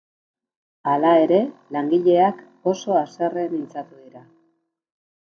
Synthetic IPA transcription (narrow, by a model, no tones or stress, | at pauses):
alae̞ɾe̞laŋɡiʎe̞ak | o̞so̞ase̞re̞nint͡sat̪uðiɾa